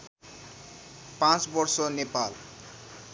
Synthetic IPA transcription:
pãt͡sbʌɾsɔnepal

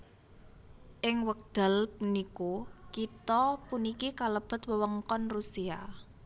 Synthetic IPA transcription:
ʔɪŋwək̚d̪̥a̤lpunikokit̪ɔpunikikaləb̥ə̤t̪wəwəŋkɔnrusia

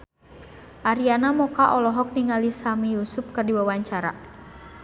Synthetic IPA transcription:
ʔaɾianamɔkaʔɔlɔɦɔk̚niŋalisamijusʊp̚kɨrdiwawaɲt͡ʃaɾa̰

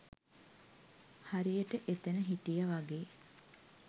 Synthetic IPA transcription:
haɾijəʈəʔet̪enəɦiʈijaʋaɡeː

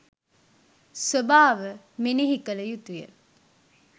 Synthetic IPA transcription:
sobaːʋə | meneɦikələjut̪ujə̰

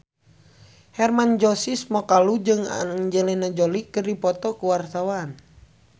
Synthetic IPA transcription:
hɛrmand͡ʒɔsismɔkalud͡ʒɨŋa̰d͡ʒɛlɛnad͡ʒɔlikɨrdipɔt̪ɔkuwart̪awan

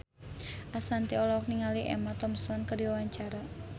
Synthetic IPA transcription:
ʔasant̪iɔlɔk̚niŋaliʔɛ̰mat̪ɔmsɔnkərdiwawaɲt͡ʃaɾa

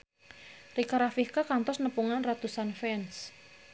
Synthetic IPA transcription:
rikaɾafihkakant̪ɔsnəpuŋanrat̪usanfɛns

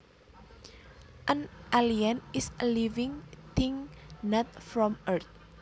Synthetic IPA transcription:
ʔə̃nʔaliə̃nisəlivĩŋt̪ĩŋnat̪̚fɹɔmət̪̚

